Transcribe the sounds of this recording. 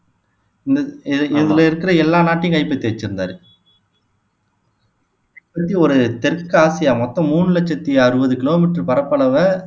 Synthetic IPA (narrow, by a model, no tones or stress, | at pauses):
ɪnd̪ɐɪðɪlɐɪɾɯkːɪɾɐɛlːaːnaːʈːɪj̃kɐɪpːɐt̪ːiɐɪt͡ʃːɪɾɯnd̪aːɾɯ | pːɐt̪ːiɔɾɯt̪ɛɾkːɯaːsɪjamɔt̪ːɔ̃muːɳɯlɐt͡ʃːɐt̪ːiɐɾɯbɐðɯkɪloːmɪʈɾɯpɐɾɐpːɐɭɐʋɐ